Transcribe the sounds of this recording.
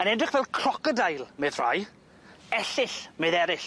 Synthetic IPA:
ənɛdrɪχvɛlˠkʰrɔkədajlˠmeðr̥a̰j | ɛɬɪɬmeðɛɾɪɬ

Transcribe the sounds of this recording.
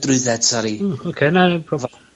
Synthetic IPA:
drʊɨðɛd̥saɾiokʰeːnapʰrɔv

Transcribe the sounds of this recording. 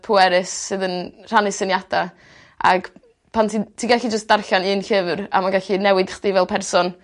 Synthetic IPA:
pʰuɛɾɨsɨðənr̥anɨsənjada | a̰ɡ̥ | pʰantʰitʰiɡaɬid͡ʒəstd̥arɬaniːnɬɪvra̰maɡaɬinɛwɪd̥χd̥ivɛlˠpʰɛrsɔn

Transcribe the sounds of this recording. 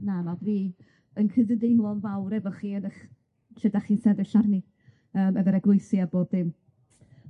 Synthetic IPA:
nanɔdviː | ənkʰədədɪjnlˠɔnvawɾɛvɔχiːənəχ | ʃɛdaχiːnsɛðɪʃarni | əːmɛvəɾɛɡwʊɨθjaboːd̚ðɪm

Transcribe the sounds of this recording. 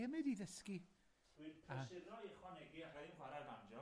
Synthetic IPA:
ɛmɨdiðəski̥ | ipʰaɪðɔiχwɔnɛɡiarainhwaɾarvand͡ʒɔ

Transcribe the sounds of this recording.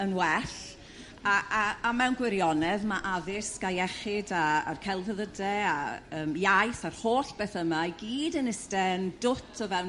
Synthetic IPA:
ənwɛɬ | aaamɛwnɡwɪɾjɔnɛðmaʔaðɪsɡ̥ajɛχɪdaa̰rkʰɛlˠvəðədɛaəːmjajθar̥hoːɬb̥eːθəmaɡiːdənɪstɛndʊtʰɔvɛ

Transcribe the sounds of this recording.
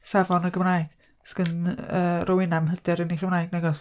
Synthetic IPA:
savɔnəɡəmraːɨɡ̥ | sɡ̥ənəːrʔɔwɪnamɦədɛɾəniχəmrnaːɨɡnɛɡɔs

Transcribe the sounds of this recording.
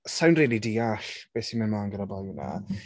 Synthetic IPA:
sawnriːlˠidiːaɬb̥eːsimɪnmanɡənabajna̰

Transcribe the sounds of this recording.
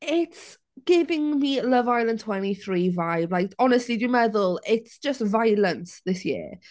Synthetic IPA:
ɪts | ɡ̥ɪvɪ̃ŋmiləvajlˠə̃ntʰwɛniθɹiːvajblajkʰɔnəstˡlidɨmɛðʊlˠɪtsd̥ʒ̥əstvajlˠə̃nsðɪsjɪ̰ə

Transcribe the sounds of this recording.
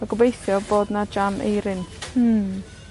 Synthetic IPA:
aɡəbejθjɔboːdnad͡ʒamʔḛjɾɪn̩

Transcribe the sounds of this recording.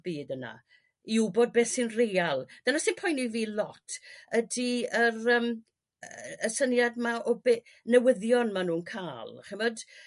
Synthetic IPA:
b̥iːdəna̰ | iwbod̚beːθsɨnrejalˠd̥ənasɨnpʰɔjniviːlˠɔtʰədiərəːm | əsənjadmaʔɔbe | nəwəðjɔnmanuːnkʰaːlˠχəmɔd̥

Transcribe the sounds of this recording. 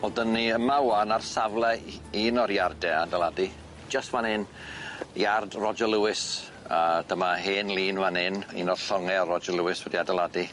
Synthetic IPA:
ɔlˠdənːiəmawanarsavlˠɛiːnɔɾjardɛadɛlˠadi̥ | d͡ʒəstvanɪn | jardrɔd͡ʒəlˠuwɪs | əd̥əmaɦɪːnlˠiːnvanɪnḭnɔrɬɔŋɛrɔd͡ʒəlˠuwɪswədiadɛlˠadi

